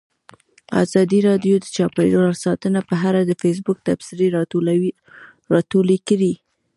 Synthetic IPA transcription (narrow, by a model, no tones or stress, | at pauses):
ɑ̰zɑd̪iɾɑdjod̪ət͡ʃɑpejonasɑt̪ənapəɦaɾad̪əfes̬bʊk̚t̪absɪɾeɾ | ɾɑt̪olikəɾi